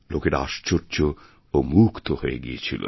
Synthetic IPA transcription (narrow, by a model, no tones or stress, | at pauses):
lokeʈaaʃt͡ɕoɾt͡ɕo | omukt̪oɦoḛɡijet͡ɕʰilo̰